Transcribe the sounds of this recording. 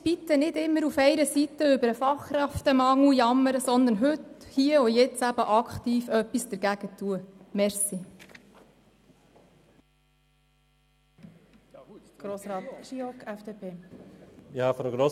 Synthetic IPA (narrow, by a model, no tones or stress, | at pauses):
b̥it̪ənɪdɪmːəɾufɛɪɾəsitəʏbəɾəfɑχkɾɛftəmɑŋlujɑmːəɾəsɔnd̪əɾnɦʏthiːəʊjɛt͡sæb̥əʔɑkχt̪iːfœpːisd̥̪əɾɡ̥æɡ̥ətuəmɛɾsi | ɡ̥ɾoːsɾɑːt̪ʃiɔkɛfd̥epʰeː | ɑfɾəɡɾo